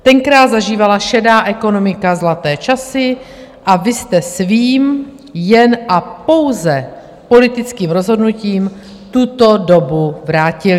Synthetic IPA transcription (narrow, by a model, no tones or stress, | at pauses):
t̪ɛŋkɾaːt̪zaʒiːvalaʃɛdaːʔɛko̞no̞mɪkazlat̪ɛːt͡ʃasɪ | ʔavɪst̪ɛsviːm | jɛnʔapo̞wzɛ | po̞lɪt̪ɪt͡skiːmɾo̞zɦo̞dnuciːm | t̪ut̪o̞do̞buvɾaːcɪ